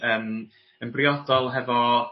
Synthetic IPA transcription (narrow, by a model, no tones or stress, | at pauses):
əːm | ənbrjɔdɔlˠɦɛvɔ